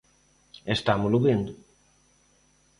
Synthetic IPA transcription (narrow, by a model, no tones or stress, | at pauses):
est̪amʊlʊβind̪ʊ